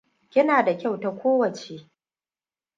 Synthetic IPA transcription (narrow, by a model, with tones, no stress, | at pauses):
kʲɪ˦naː˨da˨kʲa˦˨wta˨kʷoː˦wɐ˨t͡ʃeː˨